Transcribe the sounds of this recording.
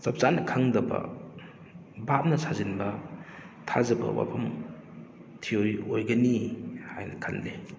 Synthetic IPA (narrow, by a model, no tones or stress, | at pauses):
sɐp̚sanɐkʰaŋdɐbɐ̰ | bap̚nɐsʰazinbɐ | tʰazɐbɐ̰wa̰pʰɐm | tʰiojojɡɐnihajnɐkʰanle